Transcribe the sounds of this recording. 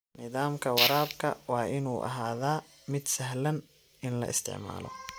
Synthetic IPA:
nɪðaːmkʰɐwɑɾaːbkʰɐ̰wɑːʔɪnuːʔɐ̰ɦaːðaː | mɪd̪sɐɦlɐn | ɪnlɐ̰ʔɪ̰st̪ʰɪ̰ʕma̰ːlɔ̰

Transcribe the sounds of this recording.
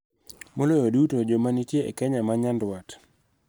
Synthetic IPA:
molojodutod͡ʒomanitjeḛkɛɲamaɲandwat

